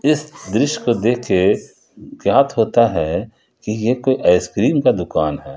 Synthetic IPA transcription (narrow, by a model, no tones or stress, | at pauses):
ɪsd̪ɾɪʃkod̪eːkʰːe | kjaːt̪ɦoːt̪aɦɛ | kijekoːiʔɐːskɾiːmkad̪ʊkaːnɦɛː